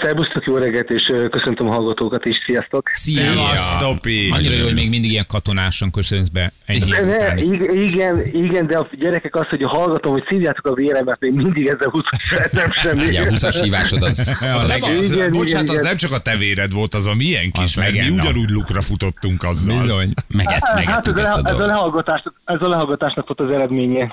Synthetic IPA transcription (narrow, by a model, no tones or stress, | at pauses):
fɛlbust̪okjoːlɾɛɡɛt̪eːʃøːkøsønt̪ømɦɒlɡɒt̪oːkɒt̪eːʃsijɒst̪o̞ksiɒst̪opiɒɲːiɾɒjoːhoɟmeːɡmind̪iɡijɛŋkɒt̪o̞naːʃɒŋkøsønɛzbɛɛnɛiiɡɛniɡɛnd̪ɛɒɟɛɾɛkɛkɒshoɟɦɒlɡɒt̪o̞mho̞csiːvjaːt̪okɒveːɾɛmːɛt̪meːɡmind̪iɡɛzːɛlhusɔ̥ʃɛt̪ɛmʃɛmːiɟɛusʃiːva̰ːʃod̪ɒzɛiɡɛnboɡt͡ʃat̪ɛznɛmt͡ʃɒkɒt̪ɛveːɾɛd̪ʋo̞lt̪ɒzɒmijɛŋkiʃmɛɡmiuɟɒnuːɟlukrɒfut̪o̞t̪ːuŋkɒzːbilzo̞ɲmɛɡɛ̰tmɛɡhɛat̪ːɛzɛlɛ̰dɛlɛɦɒlɡɒt̪aːʃnɒkɛzɒlɛɦɒlɡɒt̪aːʃnɒkfolt̪zɛɾɛd̪meːɲɛ